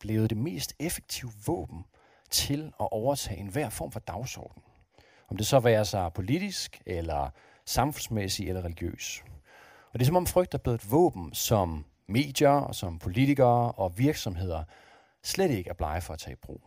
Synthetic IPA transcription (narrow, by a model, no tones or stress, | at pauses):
b̥le̝ːʊd̥e̝me̝̰ːsd̥efe̥ɡ̥̚t͡sʰiʊ̰əʋɔ̰̽ːb̥n̩ | t͡sʰe̝lɒʔɒʊɐt͡sʰɛ̰ːe̝nʋæɐ̰fɒ̰ːmfɒ̽d̥ɑ̈ʊsɒ̰ːd̥n̩ | ʔɒ̽md̥e̝sɒ̽ʋæːɐsɑ̈ɪpʰo̝lid̥isɡ̥elɐ | sɑ̈mfɔnsmesielɐʁɛliɡ̥jø̰ːs | ɒ̽d̥e̝s̬ɒ̽mɒ̽mfʁœɡ̥d̥æb̥leðˠdʋɔ̰ːb̥n̩sɒ̽mː | e̝̰ːd̥jɐsɒ̽mpʰo̝lit͡sʰiɡ̥ɐːɒ̽ʋiɐɡ̥sɒ̽mɦe̝ð̞̰ˠɐ | sleɾ̥e̝ɡ̥əæɐb̥lɑ̈ɪəfɒ̽æt͡sʰɛ̰̥ːb̥ʁo̰ː